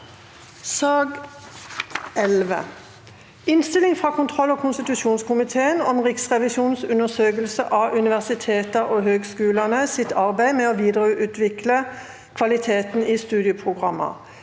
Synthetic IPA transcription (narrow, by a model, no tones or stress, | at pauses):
sɑːɡ | ɛlʋə̰ | ɪnst̪ɪlɪŋfʁɑːkʰʊnt̪ʰʁɔlːoːkʰʊnst̪ɪt̪ʉʃuːnskʊmɪt̪ʰeːənɔmʁɪksʁɛʋɪsuːnsʉnəʁsøːkəlsə̰ʔɑʔʉnɪʋæʁsɪt̪ʰeːt̪əoːhøːɡskʉːlənəsɪt̪ɑʁbæɪmɛːoːʋiːd̪ʁʔʉːt̪ʰʋɪklə | kʰʋɑlɪt̪ʰeːt̪n̩iːst̪ʉːd̪ɪəpʰʁʊɡʁɑmːə̰